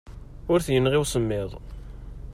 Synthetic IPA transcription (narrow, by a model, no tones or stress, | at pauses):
ʊɾθjənːʁɪwsəmːɪðˤ